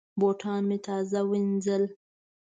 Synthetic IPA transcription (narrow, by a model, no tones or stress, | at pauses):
boʈʰɑnmet̪ɑzawind͡zəl